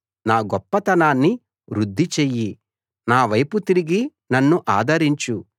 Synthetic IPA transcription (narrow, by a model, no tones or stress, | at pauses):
naːɡɔpːɐt̪ɐnaːnːi | ʋɾud̪ʱːit͡ʃeːji | naːʋɐjput̪iɾiɡi | nɐnːuʔaːd̪ɐɾiɲt͡ʃu